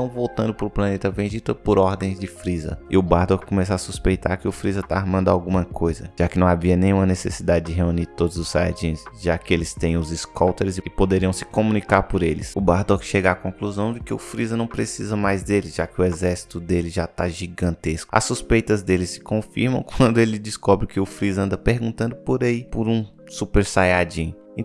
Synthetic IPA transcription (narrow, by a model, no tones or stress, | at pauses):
tɐ̃w̃vowt̪ɐ̃nd̪ʊpɾʊplanet̪ɐvẽd͡ʒit̪ɐpʊɾɔɾd̪ẽj̃zd͡ʒɪfɾizɐ̰ɪ̰ʊbaɾd̪ɔkkomɛs̬asuspejt̪a̰ɾkɪʊfɾizɐt̪aːɾmɐ̃nd̪ʊawɡũmɐkojzɐ̰ʒ̥akɪnɐ̃w̃aviɐnẽj̃ũmɐnesḛsid̪ad͡ʒɪd͡ʒɪɦeuniɾt̪od̪ʊzʊssa̰ɾd͡ʒĩsʒakɪelɪst̪ẽj̃ʊzɪskɔwt̪eɾɪzɪɪpod̪eɾiɐ̃w̃sɪ̥komũnikaɾpʊɾelɪ̰sʊbaɾd̪ɔkʃeɡɐakõkluzɐ̃w̃d͡ʒɪkɪʊfɾizɐnɐ̃w̃pɾesizɐmajzd̪elɪʒakɪʊɛzɛɾsi̥t̪ʊd̪elɪʒat̪aʒiɡɐ̃nt̪eskʊ̥a̰suspejt̪ɐzd̪elɪsɪ̥kõfiɾmɐ̰̃w̃kwɐ̃nd̪ʊelɪd͡ʒɪskɔbɾɪkɪʊfɾizɐ̃nd̪ɐpeɾɡũnt̪ɐ̃nd̪ʊpoɾeipʊɾũ | supeɾsajad͡ʒĩɲʊ | ĩ